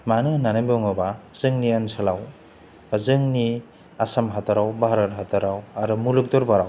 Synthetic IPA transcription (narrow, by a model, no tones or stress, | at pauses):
manɯnanɯbɯŋɔbazɯŋniansʰalaw | azɯŋni | asamɦataɾawbaɦɾat̚ɦatʰaɾawaɾumuluk̚dɔɾbaɾaw